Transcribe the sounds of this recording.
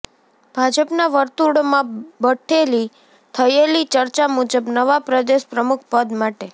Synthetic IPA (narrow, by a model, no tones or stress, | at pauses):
b̥ʱad͡ʒəpnaʋəɾt̪uɾɽmãbəʈʰeli | t̪ʰəjelit͡ʃəɾt͡ʃamud͡ʒəbnəʋapɾəd̪eʃpɾəmukʰpəd̪maʈe